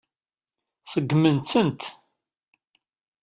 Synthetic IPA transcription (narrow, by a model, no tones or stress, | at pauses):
səɡːmənt̪sənt̪